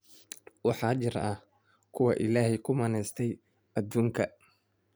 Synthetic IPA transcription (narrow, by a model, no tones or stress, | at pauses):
wɑħɑːt͡ʃɪrɐ | kʰʊwɑʔɪlaːɦɛjkʰʊmɐːnɛjst̪ʰɛj | ɐd̪uːŋkʰɐ